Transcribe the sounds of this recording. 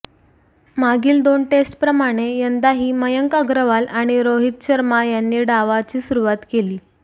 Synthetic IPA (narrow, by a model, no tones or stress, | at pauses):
maɡiːld̪onʈesʈpɾəmaɽ̃ejənd̪aɦiːməjəŋkaɡɾəʋalaɽ̃iɾoɦit̪̚ɕəɾmajanːiːɖaʋat͡ɕiːsuɾuʋat̪keliː